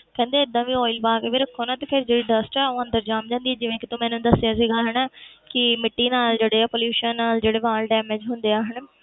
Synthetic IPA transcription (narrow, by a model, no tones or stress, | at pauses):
kɛ̃ːnd̪eːɪd̪ːãːʋiːɔːɪlbaːkeːʋiːɾəkʰːoːnãːt̪eːpʰɪɾd͡ʒeːɽiːɖəsʈɛːoːə̃nd̪əɾd͡ʒaːmd͡ʒãːnd̪iːɛːd͡ʒɪʋẽːkɪt̪õmɛ̃ːnũːd̪əsːjãːsiːɡaːɦəɳːkɪmɪʈːiːnaːld͡ʒeːɽeːaːpoːljuːʃənːaːld͡ʒeːɽeːʋaːlɖɛːmed͡ʒɦʊnd̪eːaːɦəɳ